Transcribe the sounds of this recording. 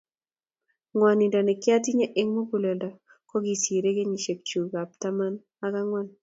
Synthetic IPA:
ŋwɔ˨ni˨ndɔ˨nɛ˨kɪ˦a˦ti˦ɲa˦ʔe˦ŋmo˦ku˨le˨ldɔ˨ | kɔ˦ɡi˨si˨ɾe˦ɡe˦ɲi˨ʃe˨k̚t͡ʃu˨ɡa˨p̚ta˦ma˦n | a˦ka˦ŋwa˦n

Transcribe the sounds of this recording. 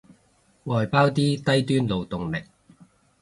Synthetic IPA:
ŋɔː˨jpaː˥wt̪iː˥t̪ɐ˥jt̪yː˥nlo˨wt̪ʊ˨ŋmɪ˨k̚

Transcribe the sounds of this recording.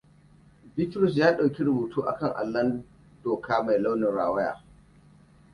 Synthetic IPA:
bɪ˦tɾɔ˨s̬jaː˦ɗa˨wkʲi˦ɾʊ˨buː˨tuː˦ʔa̰˨kɐ˦ŋʔa̰˨lːɐ˦n | d̥oː˨kaː˦ma˨jla˦wnɪ˨nɽaː˨wɐ˦ja̰ː˨

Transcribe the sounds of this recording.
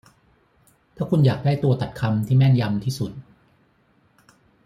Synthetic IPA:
t̪ʰaː˥˩kʰu˧njaː˨˩k̚daː˥˩jt̪u˧ɐt̪a˨˩t̪̚kʰa˧mt̪ʰiː˥˩mɛ˥˩nja˧mt̪ʰiː˥˩su˨˩t̪̚

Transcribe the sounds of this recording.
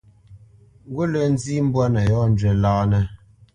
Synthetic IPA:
ɡu˦lɛ˨n̩˦zi˦m̩˦bwa˦nɛ˨jɔ˦n̩˨d͡ʒɥɛ˨laː˦nɛ˦

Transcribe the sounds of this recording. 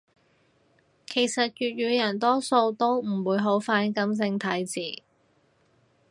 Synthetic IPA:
kʰe˨˩jsɐ˨t̚jyː˨t̚ɥyː˨˧jɐ˨˩nt̪ɔː˥so˧wt̪o˥wm̩˨˩wuː˨˧˥jɦo˨˥wfaː˧˥nkɐ˨˥mt͡sɪ˧ŋt̪ʰɐ˨˥jt͡siː˨˩

